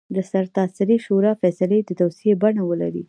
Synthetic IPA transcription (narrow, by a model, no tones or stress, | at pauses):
d̪əsaɾt̪ɑsɪɾiʃoɾɑfɛsaled̪ət̪awsiebaɳawəla̰ɾḭ